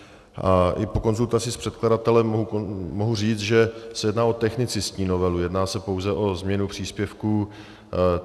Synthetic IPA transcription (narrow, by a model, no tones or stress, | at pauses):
ʔaʔɪpo̞ko̞nzult̪at͡sɪspr̝̥ɛt̪kladat̪ɛlɛmːoɦumoɦuriːt͡st̪ʒɛsɛjɛdnaːo̞t̪ɛxnɪt͡sɪstɲiːno̞vɛlujɛdnaːsɛpo̞wzɛʔo̞zmɲɛnupr̝̥iːspjɛfkuː